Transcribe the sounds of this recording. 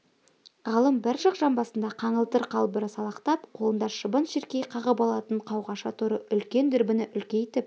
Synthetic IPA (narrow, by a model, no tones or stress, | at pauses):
ʁəlˠəmbɪɾʒɑqʒɑnbɑsənd̪ɑqʰɑɴəlˠt̪əɾqʰɑlˠbəɾəsɑlˠɑqt̪ɑpqʰolˠənd̪ɑʃəbənʃeɾkʲejqʰɑʁəpɑlˠɑt̪əɴqʰɑwʁɑʃɑt̪ʰʊɾəʔʏlkʲe̞nd̪ʏɾbɪnɪʔʏlkʲe̞jt̪ɪp̚